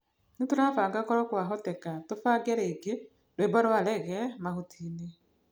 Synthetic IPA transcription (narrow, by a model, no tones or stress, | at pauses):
nituɾaːfaːŋɡakɔɾɔkwaɦɔtɛkatofaːɡeɾeːɡe | ɾweːβaɾwalɛɣɛmahutʰiːne